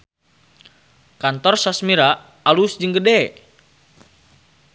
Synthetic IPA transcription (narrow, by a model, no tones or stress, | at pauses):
kant̪ɔrsasmiɾaː | lusd͡ʒɨŋɡədɛ